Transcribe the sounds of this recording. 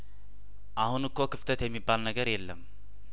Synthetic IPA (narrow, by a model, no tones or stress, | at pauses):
ʔahunɨkːokɨft̪ʰət̪jemːibːalnəɡəɾjelːəm